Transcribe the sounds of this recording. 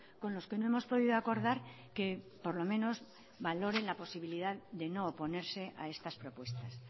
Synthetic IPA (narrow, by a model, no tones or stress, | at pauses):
ko̞nlo̞ske̞noemo̞spo̞ðiðoako̞ɾðaɾ | ke̞ | po̞ɾlo̞mẽ̞no̞z | βalo̞ɾe̞nlapo̞siβ̞iliðaðd̪e̞no̞ːpo̞ne̞ɾse̞ʔa̰e̞st̪aspɾo̞pwe̞st̪as